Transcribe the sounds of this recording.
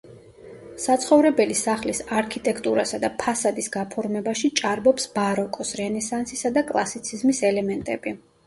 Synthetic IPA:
sat̪sʰχɔvɾɛbɛlisaχlisaɾkʰit̪ʼɛkʰt̪ʼuɾasad̪apʰasad̪isɡapʰɔɾmɛbaʃit͡ʃʼaɾbɔpsbaɾɔkʼɔsɾɛnɛsansisad̪akʼlˠasit̪sʰizmisɛlɛmɛnt̪ʼɛ̰bi

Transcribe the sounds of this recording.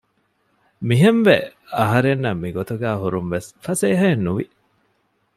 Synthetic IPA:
miɦemʋeɐɦɐɾenːɐmːiɡot̪uɡæːɦuɾumʋesfɐseːɦɐenːuʋḭ

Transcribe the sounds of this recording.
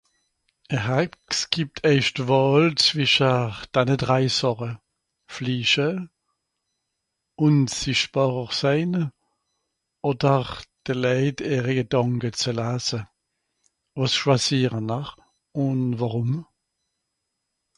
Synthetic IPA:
ɛhaksɡ̥ip̚tʰɛɪʃtvɔːlt͡sv̥ɪʃəd̥aɪnədʁaɪsɔʁə | fliːʃə | ʊnsɪʃtb̥ɑːʁəʁsaɪn | odəʁd̥əlɛɪteːʁəɡədɑŋkət͡səlaːsə | vosʃwasiːʁənːaχ | ʊnvaʁʊm

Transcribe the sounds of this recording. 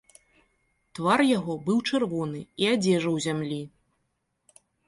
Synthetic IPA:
t̪varjaɣɔbɨwt͡ʂɨrvɔnɨiad͡zʲɛʐɐwzʲamlʲi

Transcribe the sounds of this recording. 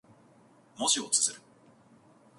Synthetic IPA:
moɕiot͡sɨ̥sɨɾɯ̟

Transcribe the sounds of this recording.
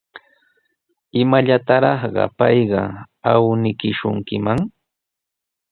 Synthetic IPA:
ɪmaʎat̪aɾɑχɢɑ̰pɑjɢɑ | awnɪkɪʃʊŋkɪmaŋ

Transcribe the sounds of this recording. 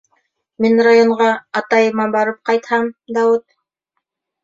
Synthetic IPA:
minrajoɴʁɑɑt̪ɑjɤmɑbɑɾɤp̚qɑjt̪hɑmd̪ɑwɘt̪̚

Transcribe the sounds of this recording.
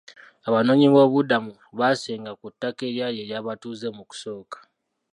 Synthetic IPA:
aβano̞ːɲiβo̞ːβudamu | βase̞ːŋɡakutːake̞ɾjaːje̞ɾjaːβatuːze̞muku̥so̞ːkḁ

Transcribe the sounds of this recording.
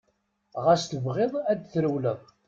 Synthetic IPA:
ʁæst̪əvʁeðˤæd̪θɾəwləv

